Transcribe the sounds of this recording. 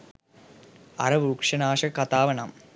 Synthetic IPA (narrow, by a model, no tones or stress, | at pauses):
ɐ̰ɾɐʋuːkʂɐnaːʂɐkɐt̪aːʋɐnaːm